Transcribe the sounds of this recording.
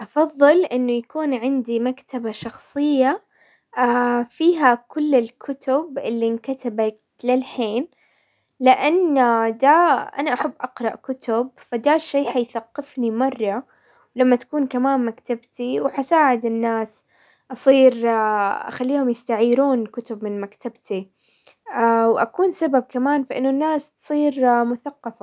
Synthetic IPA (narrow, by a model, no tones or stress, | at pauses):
ʔɑfɑðˤːɨlʔɪnːʊjakuːnʕɪnd̪imakt̪ʰabaʃɑxsˤɨjːa | afiːɦakʊlːɪlkʰʊt̪ʊbʔɪlːinkat̪abak | lɪlħeːn | lɪʔanːd̪aʔa̰naʔaħabːʔɑqɾˤɑʔkʊt̪ʊb̚fad̪aʃːejːħajθaqːɪfnimɑrˤːɑ | wlamːat̪ḁkuːnkamaːmmakt̪abt̪iwħasaːʕɪd̪ɪnːaːs | ʔɑsˤiːɾʔa̰xalːiːhʊmjɪst̪aʕiːɾuːnkʊt̪ʊbmɪnmakt̪ʰabt̪i | wʔakuːnsabab̚kamaːnfaʔɪnːʊnːaːst̪sˤiːɾmʊθaqːɑfa